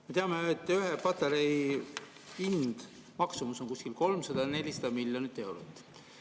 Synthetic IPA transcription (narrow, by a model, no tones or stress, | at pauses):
me̞t̪eɑmeet̪ːˑyɦepɑt̪eɾej | ind̪̥ | mɑksumuso̞nkuskilko̞lmsɑd̪̥ɑne̞lʲisɑd̪̥ɑmilʲjo̞nit̪ːˑe̞wɾot̪ːˑ